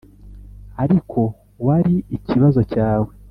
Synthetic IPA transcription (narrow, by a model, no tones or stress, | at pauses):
aɾikʰo̞ | waɾiiciβazo̞caːwe̞